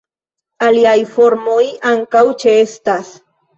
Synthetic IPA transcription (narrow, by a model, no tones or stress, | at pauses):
aliajfo̞ɾmojaŋkawt͡ʃeest̪as